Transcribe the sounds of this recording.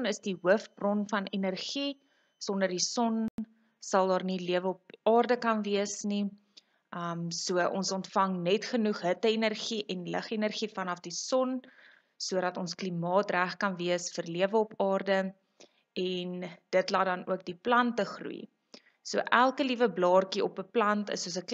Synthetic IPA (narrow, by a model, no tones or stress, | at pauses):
nəsdiɦuəfbrɔnfɐnɛnərχi | sɔndərdisɔn | sɐlˠdɑːrniliəvəɔpɑːrdəkɐnviəsni | ʔəmsuəʔɔ̰nsɔntfɐŋnɛtχənuχɦətəenərχiʔɛnləχɛnərχifɐnɐfdisɔn | suəɾɐtɔnsklimɑːtræχkɐnviəsfərliəvəɔpɑːrdə | ɛnd̥ətlɐdɐnṵək̚diplɐntəχrṵi | suəʔælˠkəlivəblɑːrkiɔpəplɐntə̰suəs̬ək